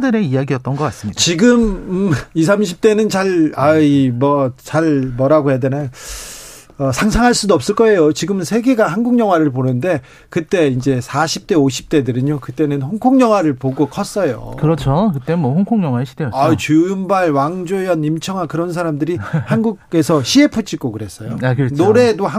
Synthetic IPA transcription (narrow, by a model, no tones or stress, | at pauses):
dɯɾeijaɡijʌt̚t͈ʌnɡʌk͈as͈ɯmɲidat͡ɕiɡɯm | is̬ʰamɕʰip̚t͈e̞nɯnt͡ɕaɭaimʌt͡ɕaɭmʌɾaɡoɦedene | ʌsʰaŋsʰaŋɦaɭs͈udoʌp̚s͈ɯɭk͈ʌe̞jot͡ɕiɡɯmsʰe̞ɡe̞ɡahanɡuŋɲjʌŋɦwaɾɯɭponɯnde̞ | kɯt͈e̞ind͡ʑe̞sʰaɕʰip̚t͈e̞oɕʰi̥p̚t͈e̞dɯɾɯɲokɯt͈e̞nɯnɸoŋkʰoŋɲʌŋɦwaɾɯɭpoɡokʰʌs͈ʌjo̰kɯɾʌt͡ɕʰokɯt͈emʌhoŋkʰoŋɲʌŋwaeɕʰid̥eait͡ɕujumbaɭwaŋd͡ʑojʌnimt͡ɕʰʌŋwakɯɾʌns̬ʰaɾamdɯɾihanɡuɡɡe̞sʰʌɕʰiepʰut͡ɕʰik͈okɯɾe̞s͈ʌjo̰kɯɾenoɾe̞doha